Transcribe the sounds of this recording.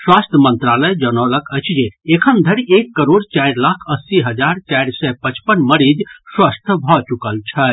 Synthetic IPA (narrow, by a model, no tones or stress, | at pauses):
swast̪ʰəmənt̪ɾaləjd͡ʒənɔləkʰəɪt͡ʃʰd͡ʒeekʰənd̪ʱəɾiekːəɾoɽt͡ʃajɾlakʰəsːiɦəd͡ʒaɾt͡ʃajɾsɛpət͡ʃpənməɾid͡ʒswəst̪ʰəbʱɔt͡ʃukəlt͡ʃʰə